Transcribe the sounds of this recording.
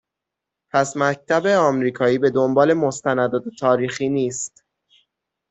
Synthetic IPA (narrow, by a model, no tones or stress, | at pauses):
pʰæsmæc̚t̪ʰæbeɒːmɾiːkʰɒːiːbe̞d̪ombɒːle̞most̪ænæd̪ɒːd̪et̪ʰɒːɾiːxiːniːst̪